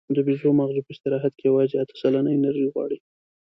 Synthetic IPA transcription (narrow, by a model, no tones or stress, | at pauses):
d̪əbizomaɣzupəst̪ɪɾɑɦat̪kejawɑzeat̪ə̥salanəjnaɾʒiɣwɑ̰ɽi